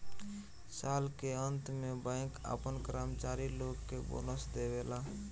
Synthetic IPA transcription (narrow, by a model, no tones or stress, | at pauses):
salkeənt̪mebãɪ̃ka̰pənkɾamt͡ʃaɾiloɡkːebo̰nəsd̪ebela